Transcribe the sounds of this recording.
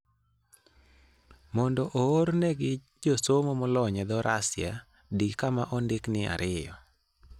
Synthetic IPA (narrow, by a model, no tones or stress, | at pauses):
mɔndɔʔoːɾnɛɡɪ | d͡ʒosomomɔlɔɲɛd̪ɔɾʔasɪja̰ | dikamaʔɔndɪknɪa̰ɾʔɪjɔ̰